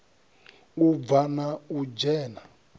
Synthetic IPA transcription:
uvanaud͡ʒɛːna

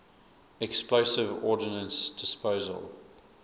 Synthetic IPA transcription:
ɛksploʊsɪvɔːdɪnə̃nsd̥ɪspəʊzə̰lˠ

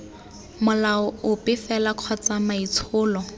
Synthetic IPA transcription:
mʊlaɔʊpɪfɛlaq͡χʰɔt͡samait͡sʰʊːlɔ

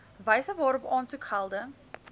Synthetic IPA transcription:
vɐjsəvɑːɾɔpɑːntukʰhɐlˠdə

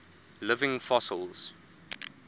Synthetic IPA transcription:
lɪvɪ̃ŋfɔsə̰lˠz̥

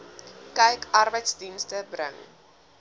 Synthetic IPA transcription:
kɛjkɐrbəjtsdinstəbrə̰ŋ

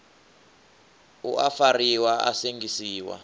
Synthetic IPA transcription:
ṵʔafariwaa̰seŋɡisiːwa̰

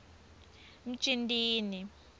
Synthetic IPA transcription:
m̩t͡ʃʼindʼiːni

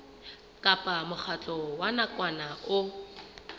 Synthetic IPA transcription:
kʼapʼamʊχʰat͡ɬʼɔwanakʼwanaʊ

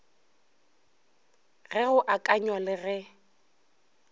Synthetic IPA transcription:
ɣɛɣʊʔakʼaɲwalɪɣɛ

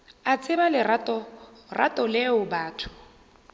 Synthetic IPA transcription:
at͡sʰʼɪbalɪratɔ | ra̰tʼɔleʊbaːtʰʊ̥

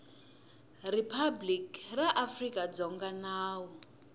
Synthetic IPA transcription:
ripʰablikraʔafrikʼad͡zɔŋɡanaːwɔ

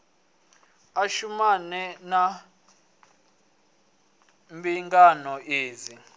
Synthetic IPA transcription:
aʃumanɛna | mɓiŋɡanɔʔeːzi

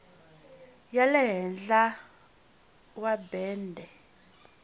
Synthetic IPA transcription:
jalɛɦɛnd͡ɮa | wabɛːndʱɛ

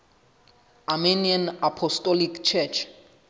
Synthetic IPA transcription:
aminiãnapʰɔstʼɔlikt͡ʃʰɛt͡ʃʰ

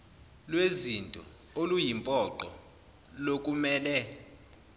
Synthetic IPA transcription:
lwezintʼɔ | olujimpʼɔǃɔ̰ | lok̬ʼumɛːlɛ

